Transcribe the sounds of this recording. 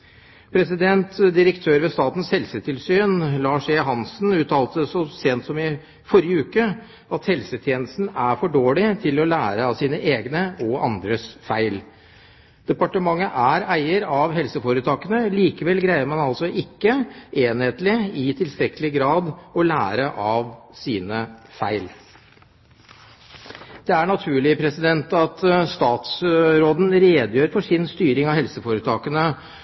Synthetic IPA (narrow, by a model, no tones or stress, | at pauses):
pʰɾɛsɪd̪ɛnt̪d̪ɪɾəkt̪ʰøːɾʋeːst̪ɑːt̪n̩shɛlsət̪ʰɪlsyːnlɑːʂɛɦɑnsn̩ʉːt̪ʰɑːlt̪əsɔseːnt̪sɔmɪ | fɔɾjəʉːkə | ɑt̪hɛlsət̪ʰjeːnəst̪n̩æɾfɔɖoːɭɪt̪ʰɪlɔlæːɾəɑsiːnəʔeːɡnəɔɑ̰nd̪ɾəsfæɪl | d̪̥ɛpɑʈəmɑŋːəʔæɾæɪəɾɑʋɦɛlsəfoːɾət̪ʰɑːkənəliːkəʋɛlɡɾæɪəɾmɑnɑlsɔʔɪkːəʔeːnheːt̪lɪɪt̪ʰɪlst̪ɾɛkəlɪɡɾɑːd̪ɔlæːɾəʔɑʋsiːnəfæɪl | d̪̥ɛæɳɑt̪ʰʉːɭɪpʰɾɛsɪd̪ɛnt̪ɑt̪st̪ɑːt̪sɾoːd̪n̩ɾeːd̪jøːɾfɔʂɪnst̪yːɾɪŋɑʋhɛlsəfoːɾət̪ʰɑːkənə